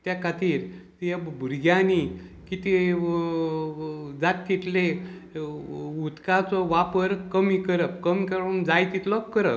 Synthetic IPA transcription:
t̪jakʰat̪iːɾt̪ijabʱuɾɡjanikit̪i | d͡zat̪̚ːit̪le | ut̪kat͡sɔʋapəɾkəmikəɾəp̚kəmikəɾəmd͡zajt̪it̪lɔkəɾəp

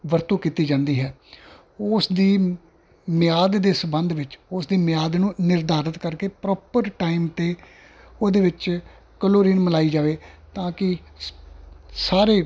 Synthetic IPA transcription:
ʋəɾt̪ũːkiːt̪iːd͡ʒãːnd̪iːɦɛː | ʊsd̪iː | mɪjaːd̪d̪eːsəbənd̪ʋɪt͡ʃʊsd̪iːmɪjaːd̪nũːnɪɾd̪aːɾət̪kəɾkeːpɾɔːpəɾʈaːiːmt̪eː | oːd̪eːʋɪt͡ʃ | kəloːɾiːnməlaːiːd͡ʒaːʋeːt̪ãːkɪ | saːɾeː

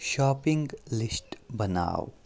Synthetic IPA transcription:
ʃɔːpɪ̃ŋɡlɪsʈbɐna̰ːw

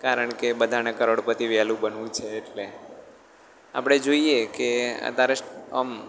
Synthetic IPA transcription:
kaɾəɳkebəd̪ʱanekəɾoɽpət̪iʋjalũbənʋũt͡ʃʰeːʈle | a̰pɽ̃ed͡ʒoiekeə̰t̪aɾeə̰m

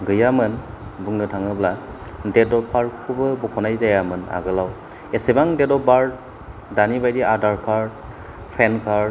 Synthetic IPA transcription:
ɡɯjamɯn | buŋnɯtʰaŋɯbla | dedɔpʰːaɹkʰubɯbɔkʰɔnajzajamɯna̰ɡɯlaw | esebaŋdedɔbaɹ | danibajdiʔadaɹkʰaɹ | pʰenkʰa

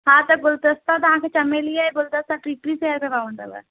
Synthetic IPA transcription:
ɦãt̪ɐɡʊlt̪əst̪ãt̪ɐɦãːkʰet͡ʃɐmelijeɡʊld̪əst̪ãʈɾiːʈɾiseːəɾpebaːʋəɳd̪ə̰bə̰

